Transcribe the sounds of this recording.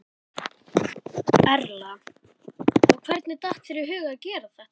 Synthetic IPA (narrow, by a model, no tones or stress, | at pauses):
ɛɾla | ɔɣkʰvɛɾt̪nɪt̪aht̪sɛɾjʏɦʏːɣaacɛːɾaθaht̪